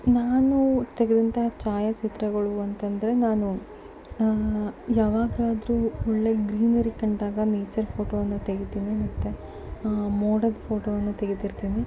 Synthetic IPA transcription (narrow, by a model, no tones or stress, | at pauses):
naːnut̪eɡed̪ɐnt̪ɐɦt͡ʃaːjɐt͡ʃit̪ɾɐɡɐɭuɐnt̪ɐnd̪ɐɾe̞naːnu | jaːʋaːɡaːd̪ɾuːɔɭːe̞ɡɾiːnɐɾikɐɳɖaːɡɐneːt͡ʃɐɾpʰo̞ːʈoːʋɐnːut̪e̞ɡet̪iːnimɐt̪ːe | moːɽɐd̪pʰo̞ːʈoːʋɐnːut̪e̞ɡet̪iɾt̪iːni